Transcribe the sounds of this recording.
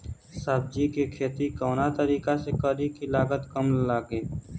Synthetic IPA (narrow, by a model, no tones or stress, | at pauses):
səb̚d͡ʒikekʰeːt̪ikɔːnat̪əɾiːkasekəɾikilaːɡət̪kəmlaːɡeː